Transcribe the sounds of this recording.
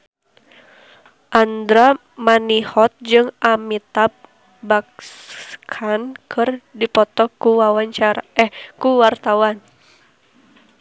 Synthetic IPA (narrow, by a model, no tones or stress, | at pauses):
ʔand̪ɾa | manihɔt̪̚d͡ʒɨŋʔamit̪ap̚ | bak̚skʰankʰɨrdipɔt̪ɔkuwawaɲt͡ʃaɾaʔɛhkuwart̪awan